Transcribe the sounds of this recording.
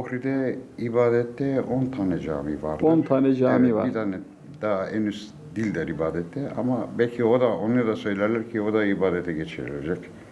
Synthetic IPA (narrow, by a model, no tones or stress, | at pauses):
oxɾid̪ɛibaːd̪ɛt̪ʰːɛont̪ʰanɛd͡ʒa̰ːmiːva̰ɾloant̪ʰanɛd͡ʒaːmivait̪ʰanɛ | d̪̥aaʔɛnys | d̪ilʲd̪ɛɾibaːd̪ɛt̪ʰːɛa̰mabɛlʲcʰiod̪aonˠaɾd̪asø̞jlʲɛɾlʲæɾcʰio̞d̪aibaːd̪ɛt̪ʰɛɟet͡ʃʰiɾḭlʲɛd͡ʒɛc